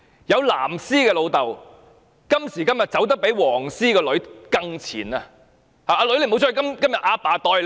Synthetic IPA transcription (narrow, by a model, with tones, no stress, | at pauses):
jɐ˨˧wla̰ː˨˩msiː˥kɛː˧lo˨˧wt̪ɐ˨˩w | kɐ˥msiː˨˩kɐ˥mjɐ˨t̚t͡sɐ˨˥wt̪̬ɐ˥k̚pe˨˥jwɔː˨˩ŋsiː˥kɔː˧lɵ˨˥ɥkɐ˧ŋt͡sʰḭː˨˩naː˧ | haː˨aː˧lɥle˧˩m˨˧wt͡sʰːkɐ˥mkɐ˥mjɐ˨t̚ʔaː˧paː˨˧t̪ɔː˧j